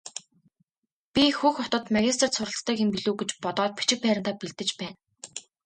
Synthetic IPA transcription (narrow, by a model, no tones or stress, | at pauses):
pʲixuːxɔt̪ɞ̆t̪maɣʲis̬t̪̆ʰr̥t̪sʊɾə̆ɬt͡st̪œːkempiɮuːɡet͡ɕpɔt̪ɔːt̪̚pi̥t͡ɕɪ̆k̚pæːɾʲɪ̆nt̪aːpiɮt̪ɘ̆t͡ɕpæːn